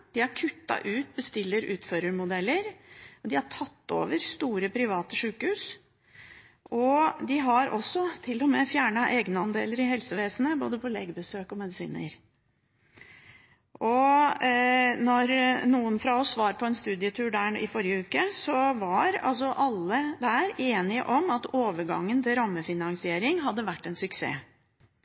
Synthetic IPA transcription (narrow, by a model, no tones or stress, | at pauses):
d̪̥ɪhæɾkʰʉt̪ːɑ̰ʔʉːt̪bəst̪ɪlːəɾʉ̰ːt̪føɾəɾmʊd̪ɛlːəɾɔd̪ɪhɑʈʰɑt̪ːo̰ːʋəɾst̪uːɾəpʰɾɪʋɑːt̪əʂʉːkhʉːs | ʔɔd̪ɪɦɑɾɔsːɔt̪ʰɪlːɔmɛfjæːɳɑʔeːɡnəɑnd̪ḛːləɾɪɦɛlsəʋeːsənəboːd̪əpʰɔleːɡəbəsøːkɔmɛd̪ɪsḭːnə̰ɾ | ɔ | nɔɾnuːənfɾɑɔsːʋɑːɾpʰɔɛnst̪ʉːd̪ɪət̪ʰʉːɖæɪ̰fɔɾɪəʉːkəsɔʋɑɾɑ̰ls̬ɔʔɑlːəd̪æːɾeːnɪə̰ʔɔmɑt̪oːʋəɾɡɑ̰ŋːənt̪ʰɪlɾɑmːəfɪnɑŋsɪeːɾɪŋɦɑd̪ːəʋæʈːɛnsʉksḛː